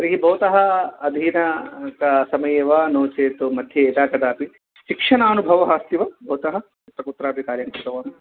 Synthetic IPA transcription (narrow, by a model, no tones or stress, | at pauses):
ɐɾiɦibʱɐːt̪ɐɦɐɐd̪ʱiːnɐkɐsɐmɐjeːʋaːnoːt͡ʃeːt̪umɐd̪ʱjɐeːd̪aːkɐd̪aːpi | ʃikʂɐnaːnubʱɐʋɐɦaːst̪iʋɐbʱɐːt̪ɐɦɐ̆ | it̪ːɐkut̪ːɾaːpikaːɾjɐŋkɾit̪ɐʋaːnɐ